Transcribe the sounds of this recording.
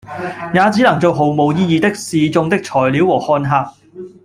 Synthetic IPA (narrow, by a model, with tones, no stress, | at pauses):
jaː˨˧t͡siː˨˥nɐ˨˩ŋt͡so˨˧wɦo˨wmo˨˧wjiː˥jiː˨˧t̪ɪ˥k̚siː˨t͡sʊ˧ŋt̪ɪ˥k̚t͡ʃʰɔː˨˩jliː˨˥wwɔː˨˩hɔː˧nɦaː˧p̚